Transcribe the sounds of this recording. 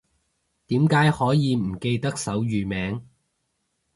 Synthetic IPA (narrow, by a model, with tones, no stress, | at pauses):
t̪iː˨˥mkaː˨˥jhɔː˨˥jiː˨˧m̩˨˩ke˧jt̪ɐ˥k̚sɐ˨˥wjyː˨˩mɛː˨˥ŋ